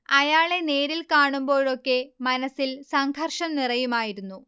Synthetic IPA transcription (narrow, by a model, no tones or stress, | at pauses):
ɐjaːɭe̞ne̞ːɾilkaːɳumbo̞ːɻo̞kːe̞mɐnɐsilsɐŋɡʰʱɐrʂɐmnirɐjumaːjiɾunːu